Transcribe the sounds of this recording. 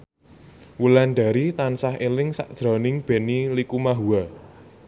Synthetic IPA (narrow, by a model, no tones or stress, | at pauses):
wulanɖa̤ɾit̪ansaɦelɪŋsa̰ʔd̥ʒ̥ɾɔ̤nɪŋb̥e̤nilikumaɦua